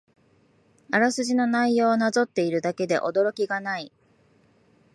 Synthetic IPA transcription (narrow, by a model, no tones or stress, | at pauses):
aɾasɨʑino̞naijo̞ːnazo̞t̪ːe̞iɾɯ̟d̪ake̞d̪e̞̰ʔo̞d̪o̞ɾo̞kʲiɡanai